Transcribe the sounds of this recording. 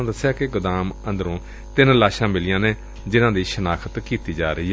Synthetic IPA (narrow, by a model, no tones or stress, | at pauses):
d̪əsːjaːkɪɡʊd̪aːmə̃nd̪əɾõː | t̪ɪnlaːʃãːmɪlɪjãːneː | d͡ʒɪnãːd̪iːʃənaːkʰət̪kiːt̪iːd͡ʒaːɾəiːɛ